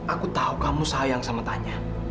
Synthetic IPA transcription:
ʔakut̪aukamusaajaŋsamat̪aɲa

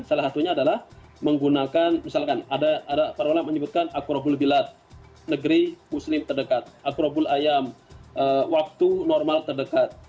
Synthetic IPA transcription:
salasat̪uɲaːdalah | məŋɡunakanmisalkanadaːdapaɾaolaməɲəbʊt̪̚kanakuɾabʊlbilat̪̚ | nəɡəɾimuslɪmt̪ərdəkat̪̚ʔakuɾabʊlajamʔəwak̚t̪unɔrmalt̪ərdəkat̪̚

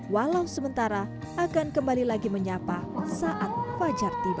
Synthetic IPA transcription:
walawsəmənt̪aɾa | ʔakankəmbalilaɡiməɲapasaʔat̪̚fad͡ʒart̪ib

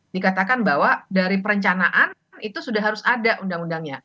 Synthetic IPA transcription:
dikat̪akanbawadaɾipəɾəɲt͡ʃanaʔan | it̪usudaɦaɾʊsadaʔundaŋundaŋɲa

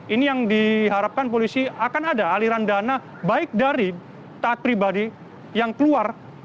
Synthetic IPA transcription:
inijaŋdiɦaɾap̚kanpolisiakanadaːliɾandana | baɪk̚daɾi | t̪aːt̪̚pɾibadi | jaŋkəluar

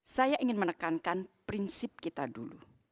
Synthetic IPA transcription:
sajaʔiŋɪnmənəkankanpɾinsɪp̚kit̪adulu

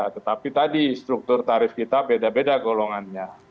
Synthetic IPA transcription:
t̪ət̪apit̪adist̪ɾuk̚t̪ʊrt̪aɾɪfkit̪abedabedaɡoloŋanɲa

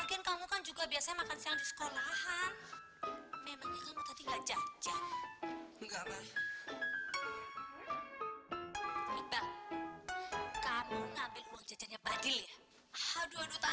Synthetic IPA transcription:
mukɪnkamukand͡ʒuɡabiasaɲamakansiaŋdisə̥kolaha | memaŋɲakamut̪at̪iŋɡaʔd͡ʒad͡ʒa | ŋɡapa | niba | kamuŋambɪluaŋd͡ʒad͡ʒaɲabadɪlja | haduadut̪a

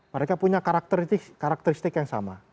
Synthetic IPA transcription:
məɾekapuɲakaɾak̚t̪əɾt̪ɪkaɾak̚t̪əɾist̪ɪkjaŋsa̰ma̰

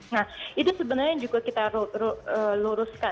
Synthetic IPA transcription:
nahit̪usəbənarɲad͡ʒuɡakit̪aɾuɾuəluɾuska

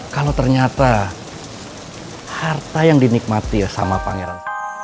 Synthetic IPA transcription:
kalot̪ərɲat̪a | hart̪ajaŋdinik̚mat̪isa̰mapa̰ŋeɾan

